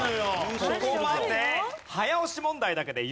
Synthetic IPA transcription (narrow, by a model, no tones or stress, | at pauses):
josokomad̪e̞hajaoɕimõ̞nd̪aid̪ake̞d̪e̞j